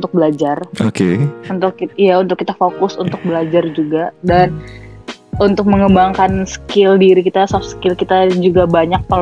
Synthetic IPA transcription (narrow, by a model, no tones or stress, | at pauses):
nt̪ʊk̚bəlad͡ʒarokeunt̪ʊkijaunt̪ʊkːit̪afokʊsunt̪ʊk̚bəlad͡ʒard͡ʒuɡadan | unt̪ʊk̚məŋəbaŋkansə̥kɪldiɾikit̪asɔfskɪlkit̪ad͡ʒuɡabaɲak̚pal